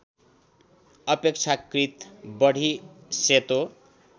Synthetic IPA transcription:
ʌpek̚t͡sʰakrit̪bʌɽ̤ʱiset̪o

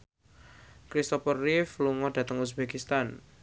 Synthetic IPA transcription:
kɾist̪ɔpərifluŋɔd̥ä̤t̪əŋus̬bakist̪an

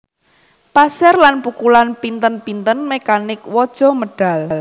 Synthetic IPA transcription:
pasɛrlanpukulanpint̪ənpint̪ənmekanɪkwɔd̥ʒ̥ɔ̤məɖ̥a̤l

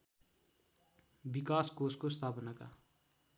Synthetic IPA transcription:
bikaːskoskost̪ʰaːpənaka̰

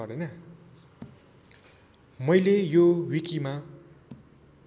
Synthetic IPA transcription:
ʌrd̪ʌjnʌ | mʌjlejowikima

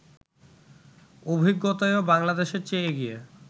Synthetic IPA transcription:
obʱiɡːot̪aeobaŋlad̪eʃeɾt͡ɕeeɡie

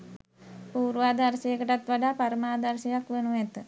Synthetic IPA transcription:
puːɾʋaːd̪aɾsəjəkəʈat̪ʋaɖaːpaɾəmaːd̪aɾsəjakʋenuæt̪ə

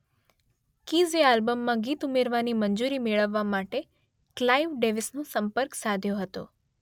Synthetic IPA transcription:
kizealbəmːãɡit̪umeɾʋaniməɲd͡ʒuɾimeɭəʋːamaʈe | klaiʋɖeʋisnõsəmpəɾksad̪ʱjoɦət̪o̰

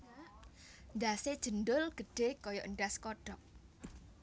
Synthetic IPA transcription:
nd̪ased̥ʒ̥ə̤ndʊlɡ̥ə̤ɖ̥e̤kɔjɔʔəɳɖaskɔɖ̥ɔk̚

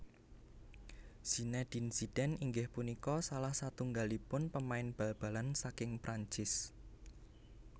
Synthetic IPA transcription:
z̥i̤nɛd̪̥insid̥ɛniŋɡɪhpunikɔsalahsat̪uŋɡalipʊnpəmaɪnb̥a̤lb̥a̤lansakɪŋpɾʔaɲt͡ʃɪs

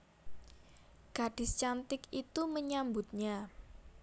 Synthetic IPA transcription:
ɡ̥aɖ̥ɪ̤st͡ʃant̪ɪkit̪uməɲambʊt̪̚ɲa

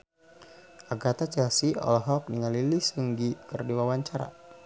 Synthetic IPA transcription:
ʔaɡat̪at͡ʃɛlsiɔ̰lɦɔk̚niŋalilisəŋɡikərdiwawaɲt͡ʃaɾa̰

